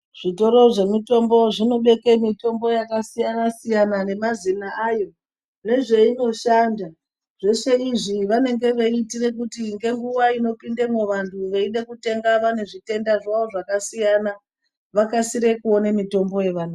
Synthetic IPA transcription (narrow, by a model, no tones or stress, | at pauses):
ʐ̥ito̞ɾo̞ʐe̞mito̞mbo̞ʐino̞ɓe̞ke̞mito̞mbo̞jakasijanasijanane̞mazinaajo̞ | ne̞ʐe̞ino̞ʃanda | ʐ̥e̞ʂe̞iʐiʋane̞ŋɡe̞ʋaitire̞k̬utiŋɡe̞ŋɡuʋaino̞pindemeʋantʰuʋeiɗe̞kute̞ŋɡaʋane̞ʐite̞ndaʐaʋo̞ʐakasijana | ʋakasiɾe̞kuo̞nemito̞mbo̞je̞ʋanu